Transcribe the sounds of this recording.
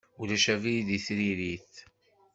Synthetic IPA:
ulæʃævijd̪iθɾiɾiθ

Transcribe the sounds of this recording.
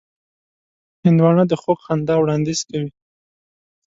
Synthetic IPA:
hɪnd̪wɑɳad̪əxokxand̪ɑwɽɑnd̪iz̥kawi

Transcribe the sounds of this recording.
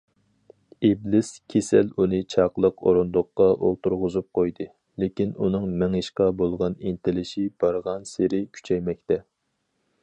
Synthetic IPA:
iblɪskʲʰesɛlunɨt͡ʃʰɑqlˠəqʰo̰ɾond̪ʊqːɑʔolˠt̪uɾʁʊzup̚qʰojd̪ɨ | lekʲinunɨŋmɛŋiʃqɑbolˠʁɑnint̪ʰɪlɪʃib̥ɑɾʁɑnseɾɪkʲʰy̥t͡ʃʰɛjmɛk̚ʲt̪ɛ

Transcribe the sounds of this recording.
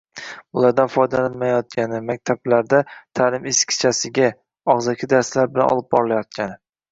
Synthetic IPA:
ʊlˠaɾd̪anfɒjd̪alanmajɒt̪̚kʲʰanɪmak̚ʲt̪ʰablaɾd̪at̪ʰaːlɪmeskʲʰɪ̥t͡ʃʰasɪɡʲa | ɒʁzɒkʲʰɪd̪aɾslaɾbɪla̰nʔɒ̰lˠɪp̚bɒɾɪlajɒt̪̚kʲanɪ

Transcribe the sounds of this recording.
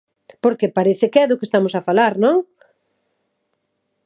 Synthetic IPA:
poɾkepaɾeθɪkɛðʊkest̪amʊsafalaɾnõŋ

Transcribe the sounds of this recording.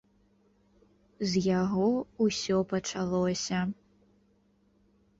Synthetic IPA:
zʲjaɣɔusʲɔpɐt͡ʂalˠɔsʲɐ

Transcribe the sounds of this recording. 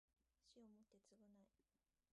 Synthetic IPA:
ɕiomot̪ːe̞t͡sɨɡɯnai

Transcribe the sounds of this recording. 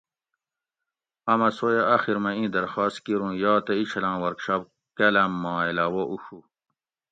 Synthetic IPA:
ɐmɐsojaɐxiɾmɐĩːd̪ɐɾxaːst̪kiɾũːjɑːt̪ɐit͡ɕʰɐlãːwɐɾkʂaːp | kelɐmːɑ̃ːilaːwoʔuɕu

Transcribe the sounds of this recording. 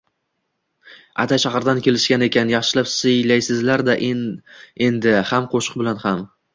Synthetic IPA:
a̰t̪ʰajʃahɾd̪ankʲʰe̞lɪʃkʲane̞kʲʰanjɑχʃɪlapsɪjlajsɪzlaɾd̪aʔ | e̞nd̪ɪhamqʰoʃʊ̥q̚bɪlanham

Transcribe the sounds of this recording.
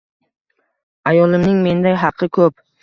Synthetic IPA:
ajɒlˠɪmnɪŋme̞nd̪ajɦɑqʰːɨkʰɵp

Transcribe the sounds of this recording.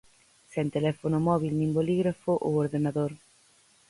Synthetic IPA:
sent̪elɛfonʊmɔβilnĩmboliɣɾafʊʔowoɾðenaðoɾ

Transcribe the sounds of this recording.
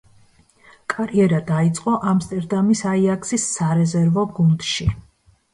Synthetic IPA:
kʼaɾiɛɾad̪ait̪sʼqʼɔʔamst̪ʼɛɾd̪amisaiakʰsisːaɾɛzɛɾvɔɡund̪ʃi

